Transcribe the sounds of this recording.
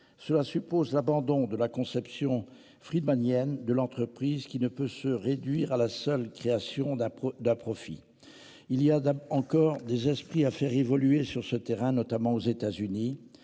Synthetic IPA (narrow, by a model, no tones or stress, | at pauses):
səlasypozlabɑ̃d̪ɔ̃d̪əlakɔ̃sɛpsjɔ̃ | fχid̪manjɛnd̪əlɑ̃t̪χəpχizkʲinəpøsəʁed̪ɥiʁalasœlkχeasjɔ̃d̪ɛ̃d̪ɛ̃pχɔfḭ | iliaɑ̃kɔʁd̪ezɛspχiafɛʁevɔlyesyʁsət̪eʁɛ̃nɔt̪amɑ̃ozet̪azyni